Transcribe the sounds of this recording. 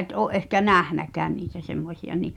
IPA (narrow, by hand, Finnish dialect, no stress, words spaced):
ʔet ʔoːʔ ʔehkæ næhnækæːn niːtæ semːosʲiɑ ni